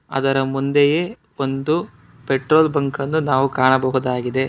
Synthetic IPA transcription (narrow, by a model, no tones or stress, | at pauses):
ɐ̰d̪ɐɾɐmund̪eje | o̞nd̪u | peʈɾoːlbɐŋkɐnːunaːʋukaːɳɐbɐɦud̪aːɡid̪e̞